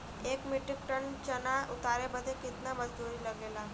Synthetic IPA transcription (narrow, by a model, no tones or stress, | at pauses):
ekmiʈik̚ʈəɳt͡ɕənaʔut̪aɾebəd̪ʱːekit̪naməd͡zd̪uɾiːləɡela